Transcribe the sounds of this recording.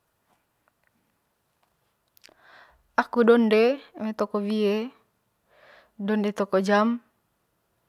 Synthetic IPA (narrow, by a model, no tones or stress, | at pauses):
akudɔndemet̪ɔkɔbie | dɔndɛt̪ɔkɔd͡ʒam